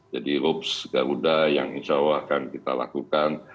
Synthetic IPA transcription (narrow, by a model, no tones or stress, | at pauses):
d͡ʒadiɾʊpsɡaɾudajaŋiɲt͡ʃawakankit̪a̰la̰kukan